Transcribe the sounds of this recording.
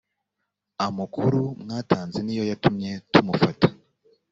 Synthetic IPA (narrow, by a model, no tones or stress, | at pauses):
amukuɾumŋaːtaːnzenijo̞jatumɲe̞tumufatḁ